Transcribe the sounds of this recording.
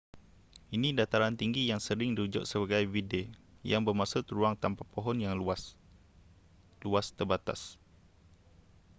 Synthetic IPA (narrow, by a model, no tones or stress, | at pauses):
ʔinĩdat̪aɾant̪iŋɡijaŋsəɾɪŋdiud͡ʒʊ̰ʔ̚səbaɡajvide | jaŋbərmãsʊt̪ɾuaŋt̪ampapoɦɔnjaŋas | luast̪ərbat̪a̰s